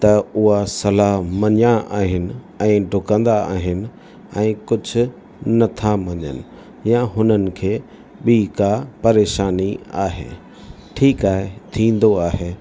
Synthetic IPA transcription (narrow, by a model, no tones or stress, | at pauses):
t̪ɐʊɦasɐlaɦmɐ̃ɲaʔaːɦɪnɪ̆ | ɛ̃ːɖʱʊkə̃nd̪aaːɦɪnɪ̆ | ɛ̃ːkʊd͡ʑʱʊ̆ | nɐt̪ʰamɐ̃ɲə̰nɪ̆ | jãɦʊnənɪ̆kʰeː | ɓiːkapɐɾeːʃaːnia̰ːɦḛː | ʈʰiːkaːɦet̪ʰĩːn̆d̪oaːɦeː